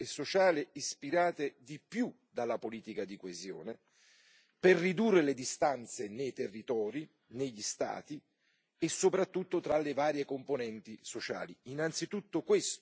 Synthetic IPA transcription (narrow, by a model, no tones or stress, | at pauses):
esːot͡ʃaːlɪispiɾaːt̪ed̪ipju | d̪alapoliːt̪ikad̪ikwezjɔ̰ːne | perːid̪urːeled̪ist̪ant̪senejt̪erːit̪ɔːɾi | neʎːist̪a̰ːt̪i | esːopɾat̪ːut̪ːot̪ɾalːevaːɾjekomponɛnt̪isot͡ʃa̰ːliinant̪sit̪ut̪ːokwest̪